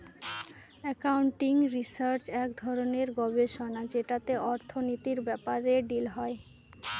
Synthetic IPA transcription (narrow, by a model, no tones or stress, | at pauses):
ɛkauɳʈiŋɾisaɾt͡ɕɛkd̪ʱɔɾoneɾɡɔbeʃonad͡ʑeʈat̪eʔɔɾt̪ʰonit̪iɾbɛpaɾeɖilɦɔe